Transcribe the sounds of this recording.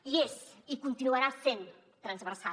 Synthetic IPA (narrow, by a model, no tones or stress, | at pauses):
iesikunt̪inuəɾasen | t̪ɾənzβərsa